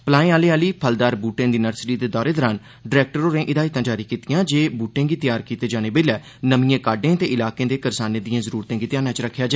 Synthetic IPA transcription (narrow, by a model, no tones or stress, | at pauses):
plaːẽːaːleːaːliːpʰəld̪aːɾbuːʈẽːd̪iːnəɾsɪʈiːd̪eːd̪ɔːɾeːd̪ɔːɾaːn | ɖɪɾɛːk̚ʈəɾoːnẽːʔɪd̪aːiːt̪ãːd͡ʒaːɾiːkiːt̪ijãːd͡ʒeːbuːʈẽːɡiːt̪ɪjaːɾkiːt̪eːd͡ʒaːneːbeːlɛː | nəmijãːkaːɖẽːt̪eːʔɪlaːkẽːd̪eːkəɾsaːneːd̪ijãːzəɾuːɾt̪ẽːɡiːt̪ɪjaːnãːt͡ʃɾəkʰːjaːd͡ʒa